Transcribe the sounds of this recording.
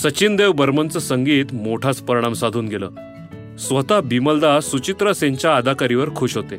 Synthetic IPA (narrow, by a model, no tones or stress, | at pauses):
sət͡ɕind̪eʋbəɾmənt͡səsəŋɡiːt̪moʈʰat͡spəɾɽ̃amsad̪ʱuːnɡelə̰ː | sʋət̪abiməld̪asut͡ɕit̪ɾəseɲt͡ɕjaːd̪ʱakaɾiʋəɾkʰuːɕɦot̪e